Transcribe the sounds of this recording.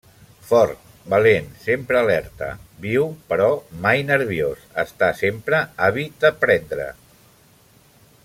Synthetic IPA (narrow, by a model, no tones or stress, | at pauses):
fɔrt̪̚ | bəlensempɾəːlɛɾt̪ə̰biwpəɾɔmajnəɾβiosə̰st̪asempɾəaβit̪̚d̪əpɾɛnd̪ɾə̰